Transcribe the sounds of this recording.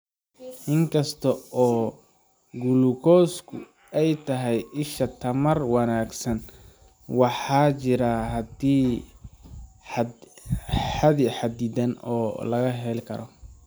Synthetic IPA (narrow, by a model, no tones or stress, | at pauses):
ʔɪŋkʰɐst̪ʰɐɔː | ɡulukʰɔːskʰʊ | ɛjt̪ʰɐɦɛjɪʃɐt̪ʰɐmɐrwɑnaːɡsɐn | wɑħɑːt͡ʃɪɾɐɦɐd̪iː | ħaðiħɑd̪iːd̪ɐnɔːlɐɣɐɦɛlkʰɐɾɔ